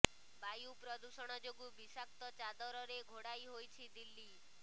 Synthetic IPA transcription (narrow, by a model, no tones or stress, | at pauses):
bajupɾɔd̪usɔɽ̃ɔd͡ʒoɡubisak̚t̪ɔt͡ʃad̪ɔɾɔɾeɡʱoɽajɦojt͡ʃʰid̪ilːi